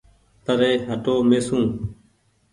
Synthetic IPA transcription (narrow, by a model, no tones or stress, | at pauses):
t̪əɾeːɦəʈoːmeːsũː